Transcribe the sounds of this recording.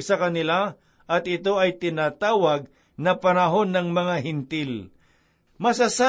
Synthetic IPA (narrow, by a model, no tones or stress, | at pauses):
sɐkɐnɪla | ʔɐt̪ɪt̪o̞ɐjt̪ɪnaːt̪aːwɐɡ̚ | nɐpɐɾɐɦo̞nːɐŋmɐŋaɦɪnt̪ɪl | mɐsɐsa